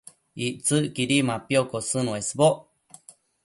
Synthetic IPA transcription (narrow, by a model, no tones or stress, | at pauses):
iʔt͡sɨʔkiɾimãpiokosɨnũesboʔ